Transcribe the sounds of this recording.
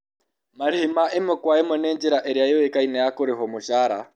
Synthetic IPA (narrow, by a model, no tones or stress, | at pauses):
maɾihimaʔɪmʊkwaemɔnɛːnd͡ʒiɾaʔɛɾjajɔwekainajakʊɾɪɦɔmʊʃaːɾa